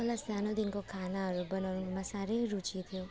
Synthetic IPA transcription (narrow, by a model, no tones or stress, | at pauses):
əlasanod̪inkokʰanaəɾobənomãsaɾeɾut͡ʃit̪ʰijo